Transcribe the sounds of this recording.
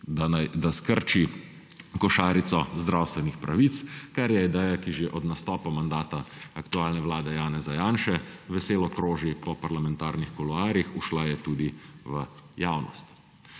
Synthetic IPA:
d̪aad̪askəɾt͡ʃi | kɔʃaːɾit̪sɔzd̪ɾawst̪ʋɛnixpɾaʋit̪skaɾjɛid̪ɛjakiʒeʔɔd̪nast̪ɔːpamand̪aːt̪aːkt̪uaːlnɛʋlaːd̪ɛjaːnɛzajaːnʃɛʋɛseːlɔkɾoːʒipɔpaɾlamɛnt̪aːɾnixkɔlɔaːɾjixuʃlajɛt̪uːd̪iʋəjaːwnɔ̰st̪

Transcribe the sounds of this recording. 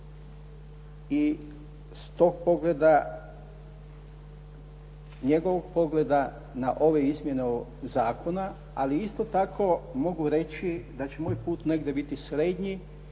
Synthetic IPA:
i | st̪oːɡ̚po̞ɡled̪a | ɲe̞ɡo̞ʋoɡ̚po̞ɡle̞d̪a | naʔo̞ʋe̞izmje̞neozaːkʰo̞na | aliist̪o̞t̪akʰo̞mo̞ɡuɾe̞t͡ɕid̪at͡ɕemoːjpuːt̪ne̞ɡd̪je̞bit̪isɾe̞d̪ɲi

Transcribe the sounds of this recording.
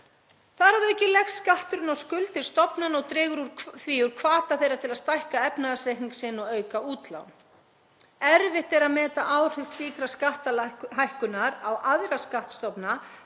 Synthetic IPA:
θaðɾhavðʏɛhcːɪlɛxsːkaht̪ʏɾʏnawskʏlt̪ɪ̥st̪ɔpnanɔɣt̪ɾɪːɣʏɾuɾʰθviːʏɾ̥kʰvaːt̪aθejɾat̪ʰɪlaðst̪ajhkaɛpnaðasejhniŋksɪnːɔɣœːɥkauːt̪la̰wn | ɛɾvɪht̪ɛɾaðmɛːt̪aʔaːwr̥ɪst̪liːkɾaskaht̪alɦajhkʏnːaɾawʔaðɾaskaht̪st̪ɔpna

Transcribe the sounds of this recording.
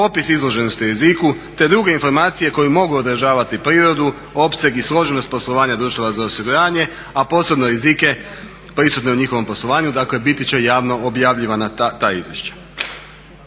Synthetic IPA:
po̞pisizlˠo̞ʒe̞nost̪iuɾeziku | t̪e̞d̪ɾuɡe̞info̞ɾmaːt̪sije̞ko̞jumo̞ɡuod̪əɾ̩ʒaːʋat̪ipɾiːɾo̞d̪u | o̞pse̞ɡislo̞ʒenost̪po̞slˠo̞ʋaːɲad̪ɾuːʃt̪oʋazaosiɡuɾaːɲe̞ | apo̞sɾebnoɾizike̞ | pɾisut̪ne̞uɲixo̞ʋo̞mpo̞slˠo̞ʋaːɲud̪akle̞bit̪it͡ɕe̞jaːʋno̞objaːʋʎiʋanat̪aːḭzʋje̞ʃt͡ɕḁ

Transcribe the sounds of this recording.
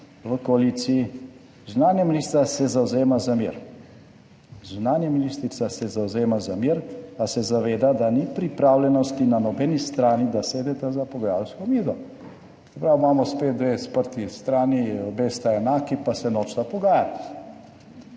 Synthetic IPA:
ʋəkɔalit̪sii | zunaːnjɛmilist̪asɛzawzeːmazamiɾ | zunaːnjɛmilist̪ɾit̪sasɛzawzeːmazamiɾasɛzaʋeːd̪ad̪anipɾipɾaːwlʲɛnɔst̪inanɔbɛnist̪ɾaːnid̪aseːd̪ɛt̪ɛzapɔɡajalskɔmiːzɔ | sɛpɾawmamɔspet̪̚d̪ʋespəɾt̪ist̪ɾaːniɔbeːst̪aɛnaːkipasɛnoːt͡ʃt̪apɔɡaːjat̪

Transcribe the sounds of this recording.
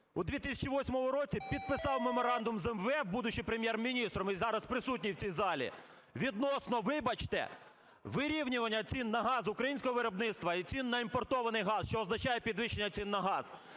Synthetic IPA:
ud̪ʋʲit̪ɪsʲɐ̥t͡ʃiʋɔsʲmɔmʊɾɔt͡sʲipʲid̪̚pɪsɑwmemɔɾɑnd̪ʊmzɛmʋɛwbud̪ʊt͡ʃɪjpɾemʲjɛrmʲinʲist̪ɾɔmizɑɾɐspɾɪsut̬̚ʲnʲiwt͡sʲijzɑlʲḭ | ʋʲid̪nɔsnɔʋɪbɐt͡ʃt̪ɛ̰ | ʋɪɾʲiwnʲʊʋɐnʲːɐt͡sʲinːɐɦɑzʊkɾɐjinʲsʲkɔɦɔʋɪɾɔbnɪt̪st̪ʋɐit͡sʲinːɐimpɔrt̪ɔʋɐnɪjɦɑzʃt͡ʃɔːznɐt͡ʃɑjɛpʲid̪ʋɪʃenʲːɐt͡sʲinːɐɦɑz̥

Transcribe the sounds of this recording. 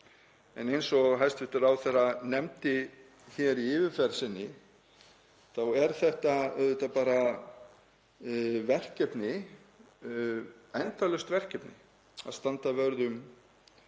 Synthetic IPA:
ɛ̰nejnsɔɦajst̪vɪht̪ʏɾawθɛranɛmt̪ɪ | çɛɾiɪːvɪfɛɾsɪnːɪ | θawɛɾ̥θɛht̪aœðʏt̪apaːɾa | vɛr̥cɛpnɪ | ajnt̪awlʏst̪vɛr̥cɛpnɪ̰ | a̰ðst̪ant̪avœɾðʏm

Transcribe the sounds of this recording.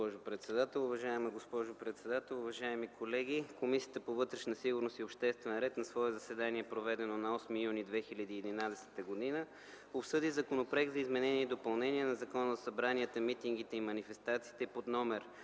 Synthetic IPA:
ɔʒʊpɾɛt̪sɛd̪at̪ɛlˠʊvɐʒaɛməɡospɔʒopɾɛt̪sɛd̪at̪ɛlˠʊvɐʒaɛmikʰolɛɡʲikomisʲiət̪əpovɤt̪ɾɛʃnəsiɡʊɾnost̪iopʃt̪ɛst̪vɛnɾɛt̪nɐsvɔɛzɐsɛd̪aniɛpɾovɛd̪ɛnonɐɔsmijunid̪vɛxilʲəd̪iːɛd̪inad̪ɛsɛ̥t̪əɡod̪inə | opsɤd̪izɐkonopɾɛɡ̪zɐizmɛnɛniɛid̪opɐlˠnɛniɛnɐzɐkɔnəzɐsɐbɾaniət̪əmit̪iŋɡ̟it̪ɛimɐnifɛst̪at̪siːt̪ɛpod̪nɔmɛɾ

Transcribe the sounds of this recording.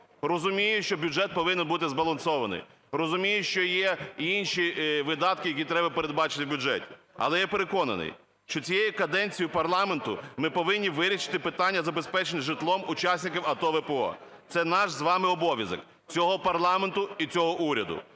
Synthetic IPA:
rɔzʊmʲijʊʃt͡ʃɔbʲʊʐɛt̪̚pɔʋɪnenbut̪ɪzbɐlˠɐnsɔʋɐnɪ̰j | rɔzʊmʲijʊʃt͡ʃɔjɛinʲʃiʋɪd̪ɑt̪̚kɪjɐkʲit̪ɾɛbɐpeɾe̞d̪bɑt͡ʃɪ̥t̪ɪwbʲʊd͡ʒɛtʲi̥ | ɐ̰lˠɛjɛpeɾekɔnɐ̰nɪ̰j | ʃt͡ʃɔt͡sʲijejʊkɐd̪ɛnʲt͡sʲijʊpɐrlˠɑment̪ʊmɪpɔʋɪnʲːiʋɪɾʲiʃɪ̥t̪ɪpɪt̪ɑnʲːɐzɐbespɛt͡ʃenʲɪʒɪt̪lˠɔmʊt͡ʃɑsʲnʲɪkʲɪwɐt̪ɔʋɛpeɔ̰ | t̪sɛnɑʃzʋɑmɪɔbɔʋʲjɐzɔ̰k | t͡sʲɔɦɔpɐrlˠɑment̪ʊit͡sʲɔɦɔʔuɾʲɐd̪ʊ̰

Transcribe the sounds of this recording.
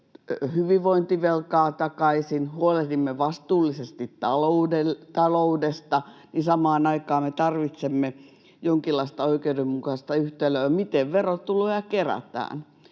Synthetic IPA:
hyʋiʋʋoint̪iʋelkɑːt̪ɑkɑisinhuolet̪imːeʋɑst̪uːlːisest̪it̪t̪ɑloudelt̪ɑloudest̪ɑnisɑmɑːnɑikɑːmmet̪ɑrʋit̪semːe | joŋkilːɑist̪ɑoikeudemmukɑst̪ɑyht̪eløːɑmit̪eʋʋerot̪ːuloːjɑkeræ̰t̪æ̰ːn

